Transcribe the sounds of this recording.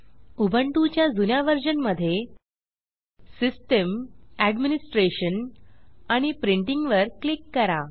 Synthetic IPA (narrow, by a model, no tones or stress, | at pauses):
ubʱəɳʈut͡ɕjad͡zunjaʋəɾd͡ʑənməd̪ʱːje | sisʈəmæɖminisʈɾeɕən | aɽ̃ipɾiɳʈiŋɡʋəɾklikːəɾa